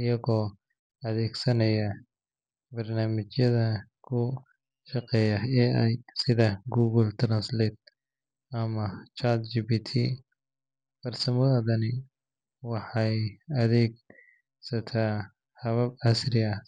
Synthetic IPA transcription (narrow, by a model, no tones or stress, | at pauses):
ɪjɐɣɔː | ɐðɛːɡsɐnɐjɐ | bɐrnaːmɪt͡ʃjɐðɐkʰʊ | ʃɑqɛːjɐɛːɛjsɪðɐɡuːɣɐlt̪ʰɾɐnslɛːt̪̚ | ɐmɐt͡ʃaɾt̪d͡ʒibit̪ʰḭ | fɐrsɐmɐɐðɐnɪ | wɑħɑjɐðɛːɡ̚ | sɐt̪ʰaː | hɐβɐb̚ɐsɾɪɐh